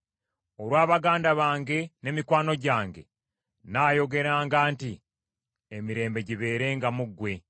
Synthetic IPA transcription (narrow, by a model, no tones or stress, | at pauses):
o̞ɾwaːβaɡaːndaβaːŋɡe̞ne̞mikwaːno̞ɟaːŋɡe̞̰ | naːjo̞ɡe̞ɾaːŋɡaːnti | emiɾe̞ːmbe̞ɟiβe̞ːɾe̞ːŋɡamuɡwe̞